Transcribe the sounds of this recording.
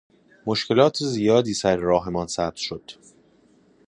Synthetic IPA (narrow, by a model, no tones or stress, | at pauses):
moʃcʰe̞lɒːt̪ʰezijɒːd̪iːsæɾɾɒːɦe̞mɒːnsæːb̚z̥ʃod̪̥